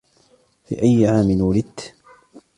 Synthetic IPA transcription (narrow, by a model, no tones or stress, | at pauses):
fḭːʔajːʕaːmɪnwalɪd̪̚t̪